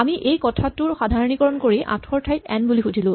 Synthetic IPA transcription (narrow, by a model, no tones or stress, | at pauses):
amiʔejkɔtʰatuɹxadʱaɹɔnikɔɹɔnkoɹiʔa̰tʰɔɹtʰajtɛ̰nbulixudʱilʊ̃